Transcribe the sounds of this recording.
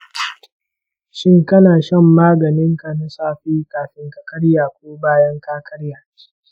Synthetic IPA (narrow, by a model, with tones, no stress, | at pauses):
ʃɪ˦ŋkɐ˦naː˨ʃɐ˦˨mːaː˦ɡɐ˨nɪ˦ŋka˨na˨saː˦ɸiː˦kaː˨ɸɪ˦ŋkɐ˦kɐ˦ɽjaː˨kʷoː˦baː˦jɐ˦ŋkaː˦kʰɐ˦ɽjaː˨